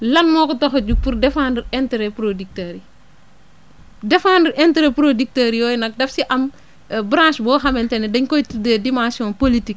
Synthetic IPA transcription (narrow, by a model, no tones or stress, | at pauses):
lɐnmɔːkɔtɔxɐɟuɡ̚puɾdɛfaːndiɾɛntɾɛpɾodik̚teɾi | dɛfaːndiɾʔɛntɾepɾodik̚tɐɾijɔːjnɐk̚dɐfsiʔɐm | bɾãʃbɔːxɐmɛntɛnɛdɐɲkɔjtidɛdimãsijɔ̃politik̚